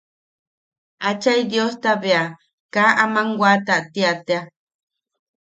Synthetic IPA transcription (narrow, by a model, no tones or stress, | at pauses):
at͡ʃajd̪jost̪aβea | kaʔamaŋɡʷwat̪aʔt̪iat̪ea